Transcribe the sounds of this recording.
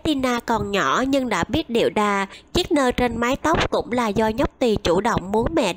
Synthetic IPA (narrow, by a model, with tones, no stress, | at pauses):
t̪i˧naː˧kɔ˨˩nɲɔ˧˩ɲɨ˧ŋɗa̰ː˧˥ɓi˦˥ət̚ɗḭ˧˩əwɗaː˧˩t͡ɕi˦˥ək̚nəː˧jt͡ɕe˧nmaː˨˦jt̪ə˦˥wk͡p̚kʊ̰˧˥ŋ͡mlaː˨˩zɔ˧ɲə˦˥k͡p̚t̪i˨˩t͡ɕu˧˩ɗə̰˧˨wŋ͡mmu˨˦ənmɛ̰˧˨